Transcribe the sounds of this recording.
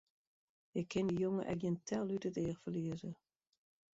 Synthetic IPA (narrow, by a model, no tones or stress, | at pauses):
ɪkʰːɪndəjoŋəʔɛ̰k̚jəntʰɛlˠytətɪəxfəliəzə